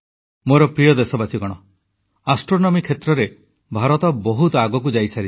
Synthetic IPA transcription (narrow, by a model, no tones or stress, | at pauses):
moɾɔpɾijɔd̪esɔbat͡ʃiɡɔɽ̃ɔ | asʈɾonɔmikʰet̪ɾɔɾe | bʱaɾɔt̪ɔbɔɦut̪ɔaɡɔkud͡ʒajsaɾi